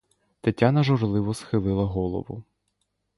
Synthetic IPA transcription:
t̪ɐtʲːanɐʒɔrlˠɪʋɔsxɪlˠɪlˠɐɦɔlˠɔ̰ʋʊ̰

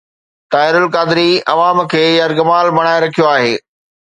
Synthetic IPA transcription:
t̪aːɪɾʊlkaːd̪ɪɾiɐ̰ʋaːmkʰeːjɐɾɡɐmaːlbɐɽ̃aːeɾɐkʰijoaːɦeː

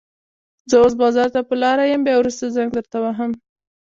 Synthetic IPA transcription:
zəos̬bɑzɑɾt̪apəlɑɾajəmbjɑwɾust̪azaŋɡd̪əɾt̪awaɦəm

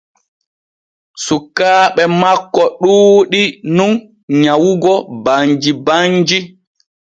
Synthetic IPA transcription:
sukːaːɓɛmakːɔɗuːɗinun | ɲawuɡɔbaɲd͡ʒibaɲd͡ʒi

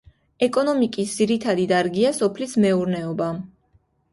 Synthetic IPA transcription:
ɛkʼɔnɔmikʼisd̪ziɾit̪ʰad̪id̪aɾɡiasɔpʰlismɛuɾnɛɔba

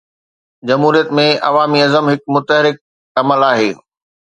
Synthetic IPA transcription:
d͡ʑɐmɦuːɾijət̪mẽɐ̰ʋaːmiɐzəmɦɪk̚mʊt̪əɦɾɪk̚ | ɐməlaːɦeː

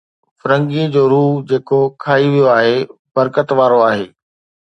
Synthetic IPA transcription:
fʊɾə̃ŋɡiə̃d͡ʑoːɾuːɦd͡ʑeːkokʰaːiʋijoaːɦe | bɐɾkət̪ʋaːɾoaːɦeː

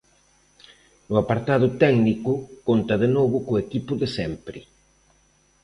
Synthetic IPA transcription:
nʊapaɾt̪að̞ʊt̪ɛɡnikʊkont̪ɐðenoβʊkoekipʊðɪsɛmpɾɪ

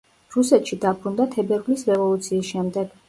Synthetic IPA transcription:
ɾusɛt̪ʃid̪abɾund̪at̪ʰɛbɛɾvlisɾɛvɔlˠut̪sʰiːsʃɛmd̪ɛɡ̥

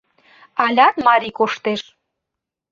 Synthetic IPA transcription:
ɑlʲɑt̪mɑɾʲikoʃt̪eʃ

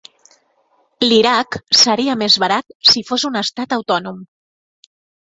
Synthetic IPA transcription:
liɾaksəɾiamezβaɾat̪̚sifozunəst̪at̪awt̪ɔnum

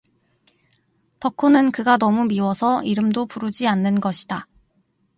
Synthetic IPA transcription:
tʌkʰonɯnkɯɡanʌmumiwʌsʰʌiɾɯmdopuɾud͡ʑianːɯnɡʌɕʰida

